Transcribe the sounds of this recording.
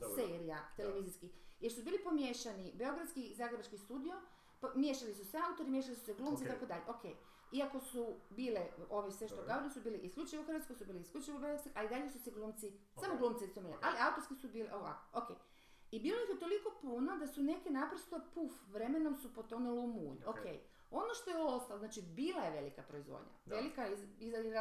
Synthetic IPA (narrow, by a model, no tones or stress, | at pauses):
seɾija̰t̪eleʋiziskijeɾsubiːlipo̞mjeʃanibe̞o̞ɡɾat̪skizaːɡɾebat͡ʃkist̪uːd̪io̞ | pmjeːʃalisuseaut̪oɾimjeʃalisu̥seɡlˠuːmt̪it̪akod̪aʎeʔokʰḛj | iako̞subiːleo̞ʋisʋeʃt̪okaoɾesubiːliʔisklʎʲut͡ʃijʋouxrʋat̪kojsubiːliiskʲut͡ʃajʋobet̪skoʔaid̪aʎesuseɡluːmt̪si | samoɡlˠuːmt̪isomiliʔaliaut̪oskisubiːliʔoʋa̰ko̥okḛːj | ibiːlo̞ixjet̪o̞liko̞punad̪asune̞kenapɾost̪opufʋɾemenomsupot̪onulumṵːɲokḛj | o̞noʃt̪ojeost̪aloznaːt͡ʃibiːlajeʋe̞likapɾoizʋo̰d̪ɲa̰ʋe̞likaiizaiɾ